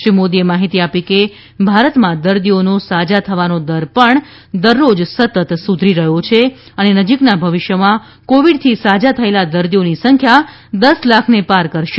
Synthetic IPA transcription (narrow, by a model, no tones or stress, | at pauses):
imod̪iemaɦit̪iapike | bʱaɾət̪mãd̪əɾd̪ionosad͡ʒat̪ʰəʋanod̪əɾpəɳ | d̪əɾːod͡ʒsət̪ət̪sud̪ʱɾiɾəɦot͡ʃʰe | ənenəd͡ʒiknabʱəʋɪʃjəmã | koʋiɖt̪ʰisad͡ʒat̪ʰəelad̪əɾd̪ionisəŋkʰja | d̪əslakʰnepaɾkəɾʃe